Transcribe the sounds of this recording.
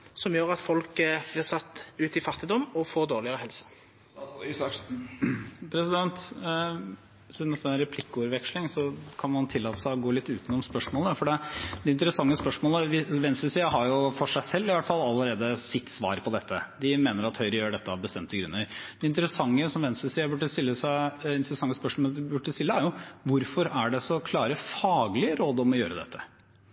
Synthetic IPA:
sɔmjøːɾɑt̪fɔlkəblɪʁsɑt̪ːʉːt̪ɪfɑt̪ːɪd̪ɔmːɔfoːɾd̪oːʁlɪəɾəhɛlsə̥ | pʰɾɛsɪd̪ɛnt̪ | sɪnɛt̪ɛnːɾɛpʰlɪkːəʉɾʋɛkʂlɪŋsɔkʰɑnmɑnt̪ʰɪlːɑːt̪əsæɪɔɡoːlɪt̪ːʉːt̪ənɔmspœʂmoːləfɔɖɛd̪̥ɛɪnt̪əɾəsɑŋːəspœʂmoːləʋɪʋɛnst̪əsiːəɦɑɾjʊfɔʂæɪsɛlːɪʋæt̪fɑlːɑlːəɾeːd̪əsɪt̪ːsʋɑ̰ːɾpʰɔd̪ɛt̪ʰːə̰d̪ɪmeːnəɾɑt̪hœʏɾəjøːɖɛt̪ːəɑʋbəst̪ɛmt̪əɡɾʉnːəɾd̪̥ɛɪnt̪əɾəsɑŋːəsɔmʋɛnsəsiːəbʉʈːəst̪ɪlːəsæɪɪnt̪əɾəsɑŋːəspœʂmoɔbʉʈːəst̪ɪlːəæɾjʊʋʊɾfɔɾæɖɛsɔkʰlɑːɾəfɑːɡlɪəɾoːd̪ɔmɔjø̰ːɾəd̪ɛ̰t̪ʰːə̥

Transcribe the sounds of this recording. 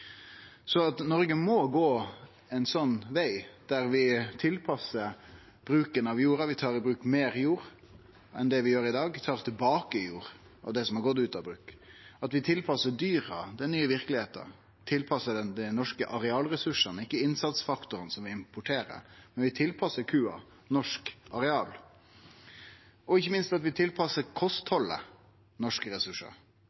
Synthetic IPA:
sɔɑt̪nɔɾɡəmɔɡoː | ɛɪnsɔnːʋæɪd̪̥æɾʋɪt̪ʰɪlpʰɑsːəɾ | b̥ɾʉːkənɑʋjuːɾɑʋɪt̪ʰɑːɾɪbɾʉːkmeːɾjuːɾ | ʔɛ̰nd̪ɛʋɪjøːɾɪd̪ɑːɡt̪ʰɑːɾt̪ʰɪlbɑːkəɪjuːɾ | ʔɑ̰ʋd̪ɛsɔmhɑɾɡɔt̪ːʉːt̪ɑʋbɾʉːkɑt̪ʋɪt̪ʰɪlpʰɑsːəd̪yːɾɑd̪ɛnnyːəʋɪɾkəlɪheːt̪ə̰ɾ | t̪ʰɪlpʰɑsəɖ̪ɛnd̪ɛnɔʂkəʔɑɾɛɑːlɾɛsʉʂənɪkːəɪnsɑt̪sfɑkt̪ʊɾənsɔmʋɪɪmpʰʊʈʰeːɾə̰ɾmɛnʋɪt̪ʰɪlpʰɑsːəɾkʰʉːɑ̰ | nɔʂkʔɑɾɛɑːl | ɔɪçːəmɪnst̪ɑt̪ʋɪt̪ʰɪlpʰɑsːəɾkʰɔst̪hɔlːə̰ | nɔʂkəɾɛsʉʂə̰ɾ

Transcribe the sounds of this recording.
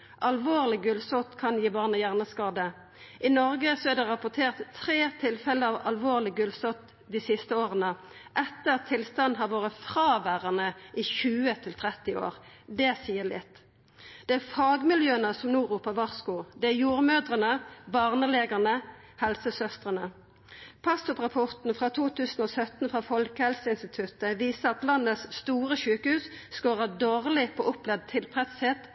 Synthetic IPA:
ʔɑlʋoːʁlɪɡʉlsɔt̪kʰɑnjiːbɑːʁnəjæʁnəskɑːd̪ə | ʔɪnɔʁɡəsɔæʁɖ̪ɛʁɑpʊt̪ʰeːʁt̪t̪ʰʁeːt̪ʰɪlfɛləɑʋɑlʋoːʁlɪɡʉlsɔt̪ | d̪isɪst̪əoːʁənə | ʔɛt̪ːəɑt̪ʰːɪlst̪ɑnd̪ɦɑʁʋoːʁəfʁɑːʋæʁənəʔɪçʉːət̪ʰɪlt̪ʰʁɛt̪ːɪo̰ːʁd̪ɛsiːəlɪ̰t̪ː | d̪̥ɛæʁfɑːɡmɪljøːənəsɔmnuːʁuːpəʋɑʁskuːd̪ɛæjuːʁmøːd̪ʁənəbɑːʁnəleːɡəʁnəhɛlsəsœst̪ʁənə | pʰɑsʊpʁɑpʰɔʁt̪n̩fʁɑːt̪ʰuːt̪ʰʉːsn̩oːsœt̪n̩fʁɑːfɔlkəhɛlsəɪnst̪ɪt̪ʰʉt̪əʋiːsəʁɑt̪lɑnːəsst̪uːʁəʃʉːkəhʉːsskoːʁəd̪oːʁlɪpʰo̰ːʔʊplɛd̪̚t̪ʰɪlpʰʁɛt̪sheːt̪

